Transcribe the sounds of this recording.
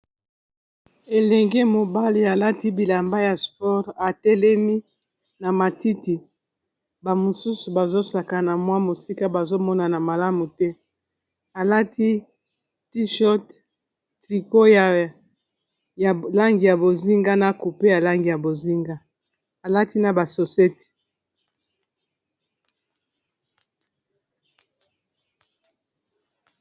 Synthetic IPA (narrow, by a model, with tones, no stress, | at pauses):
e˨lɛ˨ŋɡe˦mo˨ba˦li˨a˨la˦ti˦bi˨la˨mba˦ja˨spɔ˦ʁa˨tɛ˦lɛ˦mi˦ | na˨ma˨ti˦ti˨ | ba˨mo˨su˦su˨ba˨zo˦sa˨ka˨na˨mwa˦mo˨si˦ka˦ba˨zo˦mɔ˦na˨na˨ma˨la˦mu˨tɛ˦ | a˨la˦tʰi˦ | ti˦ʃɔ˦t | tʁi˨ko˦ja˨ | la˦ŋɡi˨ja˨bo˨zi˦ŋɡa˦na˨ku˨pe˦ja˨la˦ŋɡi˨ja˨bo˨zi˦ŋɡa˦ | a˨la˦ti˦na˨ba˨so˨sɛ˦ti̥˨